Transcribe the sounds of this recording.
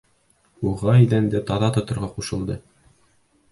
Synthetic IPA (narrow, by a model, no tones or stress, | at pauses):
uʁɑid̪ænd̪æt̪ɒðɑt̪ŏt̪ɤ̆ɾʁɑquʃɤ̆lˠd̪ɤ